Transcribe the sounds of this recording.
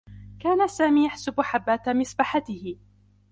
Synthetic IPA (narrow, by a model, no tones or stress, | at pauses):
kaːnasaːmiːjaħsʊbʊħabːaːt̪amɪsˤbaħat̪ɪhɪ